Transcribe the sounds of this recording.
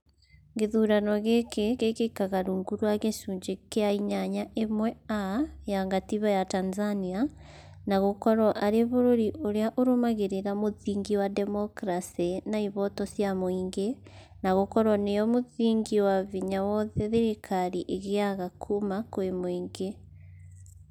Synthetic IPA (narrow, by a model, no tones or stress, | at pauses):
ŋɡeðuːɾanɔɣekekekekaɣaɾuːŋɡuɾuaɣeʃuːɲd͡ʒekeaiɲaɲaʔemwɛajaŋɡatiβajatanzania | naɣokɔɾɔʔaɾeβoɾoɾiʔoɾejaʔoɾomaɣeɾeɾamoðiːŋɡiwademokɾasinaiβɔtɔsjamoiːŋɡe | naɣokɔɾɔnejomoðiːŋɡiwaβiɲawɔðeðeɾekʰaɾiʔeɣeaɣakʰumakoemoiːŋɡe